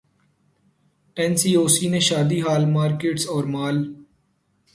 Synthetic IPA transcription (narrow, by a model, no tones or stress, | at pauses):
ɛnsiːoːsiːnẽːʃaːd̪iːɦaːlmaːɾkeːʈsɔːɾmaːl